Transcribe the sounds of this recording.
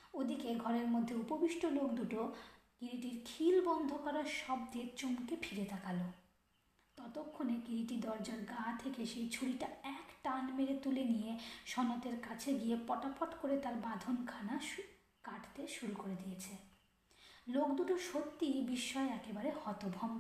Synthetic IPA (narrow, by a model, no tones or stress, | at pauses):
od̪ikeɡʱɔɾeɾmod̪ʱːeupobiʃʈolokd̪uʈokiɾiʈiɾkʰilbɔnd̪ʱokaɾaʃɔb̚d̪et͡ɕomkepʰiɾet̪akalo | t̪ɔt̪okʰːonekiɾiʈid̪ɔɾd͡ʑaɾɡat̪ʰekeʃejt͡ɕʰuɽiʈaɛkʈanmeɾet̪ulenijeʃɔnot̪eɾkat͡ɕʰeɡiepɔʈapoʈkoɾet̪aɾbad̪ʱonkʰana | kaʈʰt̪eʃuɾukoɾed̪ijet͡ɕʰe | lokd̪uʈoʃot̪ːibiʃːɔeɛkebaɾehɔt̪obʱɔm